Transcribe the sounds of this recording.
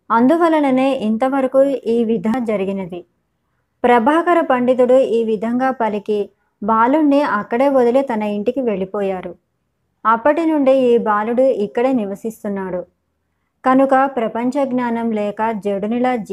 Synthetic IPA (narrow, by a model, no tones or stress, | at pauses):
ɐnd̪uʋɐlːɐlɐne̞ːʔint̪ɐʋɐɾɐkuːiːʋid̪ʱaːd͡ʒɐɾiɡinɐd̪i | pɾɐbʱaːkɐɾɐpɐɳɖit̪̬uɽuiːʋid̪ʱɐŋɡaːpɐliki | baːlunːiɐkːɐɽe̞ːʋod̪ɐlet̪ɐnɐiɳʈikiʋe̞ɭipɔːjaːɾu | ɐpːɐʈinuɳɖiiːbaːluɽuikːɐɽe̞ːniʋɐsist̪unːaːɽu | kɐnukɐpɾɐpɐɲt͡ʃɐɡnaːnɐmlɛːkɐd͡ʒeɽunilɐd͡ʒ